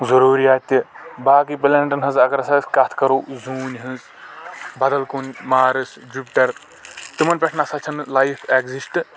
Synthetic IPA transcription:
zɐɾuːɾijaːt̪ʲibaːkipɐlʲɐɳʈɐnɦɐzɐkɐɾɐsɐskɐt̪ʰkɐɾoːzuːnʲɦɨ̃z | bɐd̪ɐlkunmaːɾɨs | d͡ʒupʈɐɾ | t̪ɨmɐnpʲɐʈʰnasɐt͡ʃʰɐnlajpʰeɡzisʈɨ

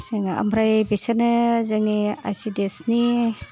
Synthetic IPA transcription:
seŋa̰mɾajbesanɯzaŋia̰jsidesni

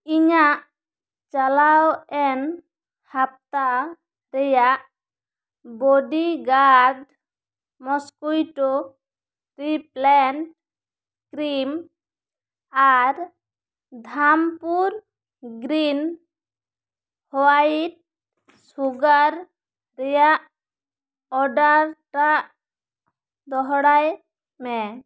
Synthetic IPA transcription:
iɲaʔ | t͡ʃalawɛn | hap̚t̪a | ɾɛjaʔ | bɔɖiɡaɾɖ | mɔskujʈo | t̪ɾiplɛnʈ̚ | kɾim | aɾ | d̪ʱampuɾ | ɡɾin | hɔaiʈ̚ | suɡaɾ | ɾɛja | ɔɖaɾʈa | d̪ɔɦɔɽaj | mɛ

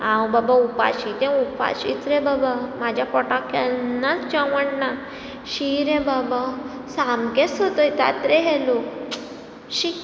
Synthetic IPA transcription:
ãwbabaupa̰ɕit̪ɛ̃upa̰ɕḭt͡sɾɛ̃babamad͡ʑʱjapɔʈakʰɛnːat͡sd͡ʑãʋəɳna | ɕiɾɛ̃baba | samɡɛsɦot̪əjt̪a̰t̪ɾeɦɛlok | ɕi

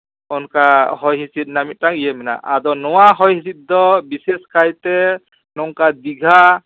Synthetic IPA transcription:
ɔnkahɔjɦisit̪̚namit̪̚taŋijɛmɛna̰ʔa̰d̪ɔnɔwaɦɔjhisit̪̚d̪ɔbisɛskajt̪ɛ | nɔŋkad̪iɡʱa

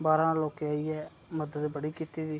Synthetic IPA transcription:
baːɾãːloːkeaːiːɛː | məd̪ət̪bəɽiːkiːt̪iːd̪iː

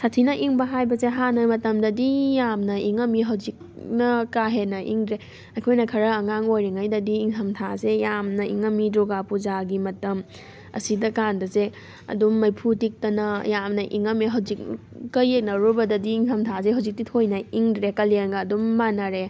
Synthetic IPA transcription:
satʰinɐʔiŋbɐɦajbɐzeɦanɐmɐtɐmdɐdijamnɐiŋɐmiɦɐwzik̚nɐkaɦenɐʔḭŋdɾe | ɐkʰojnɐkʰɐɾɐːŋaŋojɾiŋajdɐdiːŋkʰɐmtʰazejamnɐḭŋɐmidɾoɡapuzaɡimɐtɐm | ɐ̰sidɐkandɐze | ɐ̰dumːɐjpʰutik̚tɐnɐjamnɐʔiŋɐmiɦɐwzik̚ | kɐjek̚nɐɾubɐdɐdiːŋhʰɐmtʰazeɦɐwzik̚titʰojnɐiŋdɾekɐleŋɡɐːdumːanɐɾe

